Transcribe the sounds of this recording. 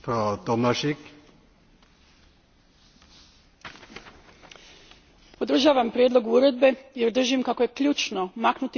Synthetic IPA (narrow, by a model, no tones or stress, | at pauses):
fɾod̪ɔmaʃik | pod̪ɾ̩ʒaːʋampɾjed̪lo̞ɡuɾe̞d̪̚be̞jeɾd̪r̩ʒimkako̞je̞kʎuːt͡ʃno̞maknut̪i